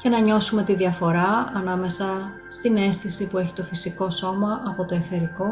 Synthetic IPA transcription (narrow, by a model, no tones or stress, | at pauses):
ce̞nɐɲo̞sume̞t̪iðiɐfo̞ɾɐɐnɐme̞sɐ | st̪ine̞st̪isipueçi̥t̪o̞fisiko̞so̞mɐʔɐpo̞t̪o̞eθe̞ɾiko̞